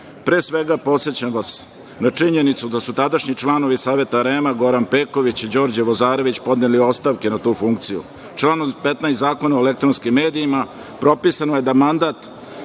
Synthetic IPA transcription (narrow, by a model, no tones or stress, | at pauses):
pɾe̞ːsʋeɡapo̞t̪se̞t͡ɕamʋas | nat͡ʂiɲe̞nit̪sud̪asut̪ad̪aʃɲit͡ʃlˠano̞ʋisaːʋe̞t̪aɾeːmaɡo̞ɾanpeːkoʋit͡ɕid͡ʑo̞ːɾd͡ʑeʋozaːɾo̞ʋit͡ɕpo̞d̪neːlio̞st̪aʋke̞nat̪uːfuŋkt̪sijṵ | t͡ʃlanopet̪najszaːko̞naoelekt̪ɾonskimːe̞ːd̪iima | pɾo̞pisanoje̞d̪amand̪at̪